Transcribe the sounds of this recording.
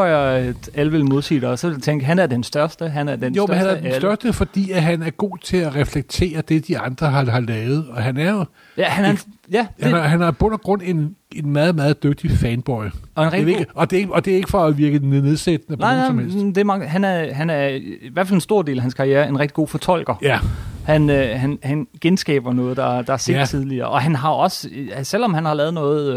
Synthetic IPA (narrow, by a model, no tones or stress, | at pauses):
ɒɐ̥æləʋelmo̝ðˠt͡sʰḭd̥ɐsɒt͡sʰeŋ̰ɡ̥ɦænæɐd̥ensd̥ɶɐsd̥əɦænæɐd̥enjohæɐ̥sd̥ɶɐsd̥əfɒ̽d̥ḭːæɦænæɐɡ̥o̝̰ːt͡sʰe̝æʁɛfleɡ̥̚t͡sʰe̝̰ːɐd̥e̝d̥iɑ̈nd̥ʁɐɦɑ̈ɦɑ̈lɛːʊð̩ˠɒ̽ɦænæɐjo | jæhænɐjæhæɦænɑɐb̥ɔ̽n̰ɐɡ̥ʁɔn̰e̝ne̝nmæːð̩ˠmɑːð̩ˠd̥øɡ̥̚d̥ifɛnb̥ɒɪɒ̽e̝nʁɛɡ̥ɡɒ̽d̥e̝eɡɒd̥e̝æɐe̝ɡəfɒæʋiɐɡ̥ðneneðˠsed̥ənənɑɪ̰nɑɪmed̥eæmɑ̈ŋɦænæɐɦænæɐiʋæɐfælensd̥o̝ɐ̰d̥e̝̰ːlæɦænskʰɑ̈ʁieːɐe̝nʁɛɡ̥d̥i̥ɡ̥o̝̰ːfɒ̽t͡sʰɒ̽l̰ɡ̥ɐjæhænøɦænhænɡ̥ensɡ̥ɛ̰ːb̥ɐnɔ̽ːð̞̩ˠd̥ɑ̈d̥ɑ̈hɑse̝̰ːdt͡sʰið̞ˠliɐ̰ːʔɒ̽ɦænɦɑ̈ɒ̽səsel̰ɒ̽mhænhɑ̈lɛːð̞̩ˠnɔ̽ːð̩ˠ